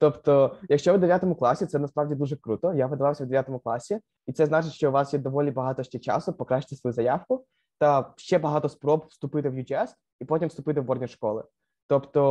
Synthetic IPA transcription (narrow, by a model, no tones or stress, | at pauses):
t̪ɔpt̪ɔjɐkʃt͡ʃɔʋd̪eʋʲjat̪ɔmʊklˠɑsʲit̪sɛnɐspɾawdʲid̪uʐɛkɾut̪ɔjapɪd̪ɐʋɑwsʲɐʋd̪eʋʲjat̪ɔmʊklˠɑsʲi | it̪sɛznɑt͡ʃɪtʲʃt͡ʃɔʊʋɑsjɛd̪ɔʋɔlʲibɐɦɑt̪ɔʃt͡ʃɛt͡ʃa̰sʊpɔkɾaʃt͡ʃːɪt̪ɪsɔjuzɐjawkʊ | t̪ɐʃt͡ʃɛbɐɦɑt̪ɔspɾɔpfst̪ʊpɪt̪ɪʋjud͡ʒiɛs | ipɔtʲimst̪ʊpɪt̪ɪʋbɔrdʲnʲiʃkɔlˠɪ̰ | t̪ɔpt̪ɔ